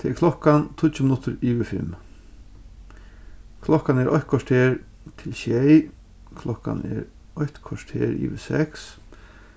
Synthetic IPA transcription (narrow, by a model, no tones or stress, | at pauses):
t̪ʰeːɛɾkʰlɔhkant̪ʰʊt͡ʃəmɪnʊt̪əɾiːʋɪfɪ̰m | kʰlɔkanɛɾʔɔjt̪̚kʰaʂʈ̪ʰeːɹ | t̪ʰɪlʃɛj | kʰlɔhka̰nɛ̰ɾ | ɔjçt̪kʰaʂt̪ʰḛːɾḭːʋɪsɛ̰ks